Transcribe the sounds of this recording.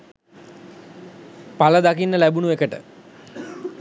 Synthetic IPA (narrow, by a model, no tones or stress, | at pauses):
paləd̪akinːəlæbunuekəʈə̰